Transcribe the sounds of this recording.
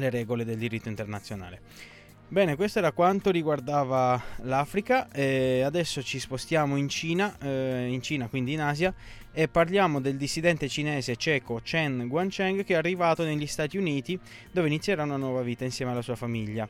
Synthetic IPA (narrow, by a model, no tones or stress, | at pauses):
leɾɛːɡoled̪eld̪iɾit̪ːoint̪ernat̪sːjona̰ːle | bɛːnekwest̪oɛːɾakwant̪oɾiɡward̪aːvalaːfɾikaɛad̪ɛsːot͡ʃispost̪jaːmoint͡ʃiːnaint͡ʃiːnakwind̪iːnaːzja | epːarljaːmod̪eld̪isːid̪ɛnt̪et͡ʃinɛːzet͡ʃɛːkot͡ʃɛnɡwant͡ʃɛŋɡkeɛarːivaːt̪oneʎːist̪aːt̪iuniːt̪i | d̪oːveinit̪sːjɛːɾaunanwɔːvaviːt̪ainsjɛːmealːasuːafamiʎːa